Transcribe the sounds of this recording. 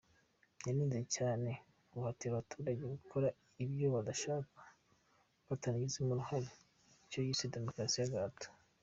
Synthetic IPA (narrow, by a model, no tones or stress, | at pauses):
ɲanizecaːne̞ | uhatiaβatʰuːɾaɟeɡukʰoɾa | ibjo̞βadaʃaːkḁ | βataniɡizemuɾuhaɾi | icojiːsede̞mo̞kɾasijaɡaːto̥